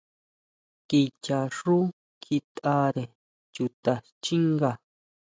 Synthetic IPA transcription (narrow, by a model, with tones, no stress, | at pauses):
ki˧t͡ʃa˨ʂu˦ | kʰi˧t̪a˧ɾe˨ | t͡ʃu˧t̪a˨ | t͡ʃi˦ŋɡa˨